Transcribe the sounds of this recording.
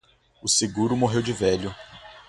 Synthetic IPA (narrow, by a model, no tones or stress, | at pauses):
ʊseɡuɾʊmoɦewd͡ʒɪvɛʎʊ